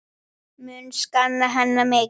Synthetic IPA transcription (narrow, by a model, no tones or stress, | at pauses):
mʏnskanːaɦanːamɛ